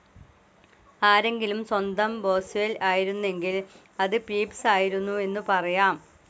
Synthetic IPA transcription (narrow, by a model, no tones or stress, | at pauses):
aːɾe̞ŋɡilumswɐnd̪ɐmbo̞ːselaːjiɾunːe̞ŋɡil | ɐðɨpiːpsaːjiɾunːue̞nːupɐrɐjaːm